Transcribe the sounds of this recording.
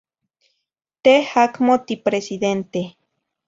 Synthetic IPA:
t̪ehakmot̪ipɾesiðent̪e

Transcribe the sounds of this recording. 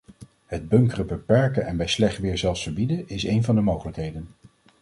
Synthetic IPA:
ɦəd̚bɵŋkərəbəpɛɹkənɛnbɛjslɛχtʋɪːɹzɛlˠsfəɹbidənɪsejnvɑndəmowχələkɦejdən

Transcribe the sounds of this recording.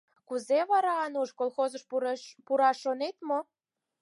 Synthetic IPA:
kuzeβɑɾɑɑnuʃkolxozəʃpuɾɑʃːonet̪mo

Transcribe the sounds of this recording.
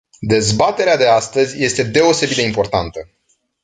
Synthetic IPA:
d̪e̞zbat̪e̞ɾead̪e̞ast̪əzʲje̞st̪e̞d̪e̞o̞se̞bit̪̚d̪e̞impo̞rt̪ant̪ə

